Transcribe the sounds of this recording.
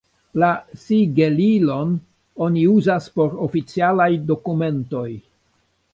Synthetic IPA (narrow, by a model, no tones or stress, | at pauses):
lasiɡelilo̞n | o̞niuzaspo̞ɾofit͡sialajdo̞kume̞nto̞j